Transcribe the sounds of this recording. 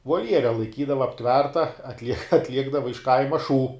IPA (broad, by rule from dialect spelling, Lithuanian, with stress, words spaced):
ʋoːlʲˈjæːrʲɛ lˠɐɪˈkʲiːdɐʋɐ ɐpʲˈtʲʋʲɛrtɐ ɐtʲˈlʲiɛk ɐtʲˈlʲiɛɡdɐʋɐ ɪʃ ˈkɐɪmɐ ʃuː